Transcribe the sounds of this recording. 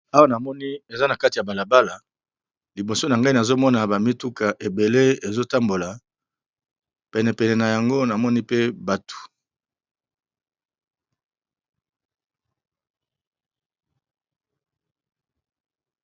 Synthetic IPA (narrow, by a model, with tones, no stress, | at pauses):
a˦wa˦na˨mɔ˦ni˦e˨za˦na˨ka˦ti˨ja˨ba˨la˨ba˦la˨ | li˨bo˨so˦na˨ŋɡa˦i˦na˨zo˦mɔ˦na˨ba˨mi˦tu˦ka˨ʔe˨be˨le˦e˨zo˦ta˦mbo˨la˨ | pɛ˨nɛ˨pɛ˨nɛ˨na˨ja˨ŋɡo˦na˨mɔ˦ni˦pe˦ba˨tu̥˨